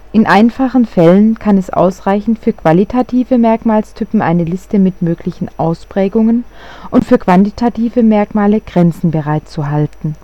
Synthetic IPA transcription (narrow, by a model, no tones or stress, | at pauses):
ʔɪnʔaɪnfaχn̩fɛlənkʰanɛsʔa̰ʊsʁaɪçn̩tfyːɐkv̥alitʰatʰiːvəmɛɐkmaːlstʰʏpm̩ʔa̰ɪnəlɪstəmɪtmøːklɪçn̩ʔaʊspʁ̥ɛːɡʊŋənʔʊntfyːɐkv̥antitʰatʰiːvəmɛɐkmaːləɡ̥ʁɛnt͡sn̩bəʁaɪt͡suɦaltn̩